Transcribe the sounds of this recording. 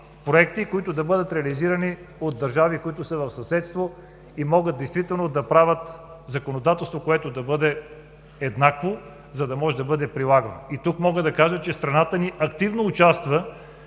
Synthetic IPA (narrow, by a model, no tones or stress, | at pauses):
pɾoɛkt̪ikoit̪ʊd̪ɐbɤd̪ət̪ɾɛɐliziɾəni | od̪̚d̪ːɐɾʒavikoit̪ʊsəvɐfsɐsɛt̪st̪vo | imɔɡəd̪̚d̪ɛjst̪vit̪ɛlˠnod̪ɐpɾavʲət̪zɐkonod̪at̪ɛlˠst̪vokoɛt̪od̪ɐbɤd̪ɛ | ɛd̪nakvo | zɐd̪ɐmɔʒɛd̪ɐbɤd̪ɛpɾilˠaɡəno̰it̪ukmɔɡəd̪ɐkaʒət͡ʃɛst̪ɾɐnat̪əniʔɐk̚t̪ivnoːt͡ʃast̪və